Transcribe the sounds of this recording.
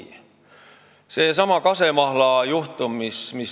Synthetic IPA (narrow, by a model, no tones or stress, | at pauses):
se̞sɑmɑkɑse̞mɑhlɑjuht̪umːismis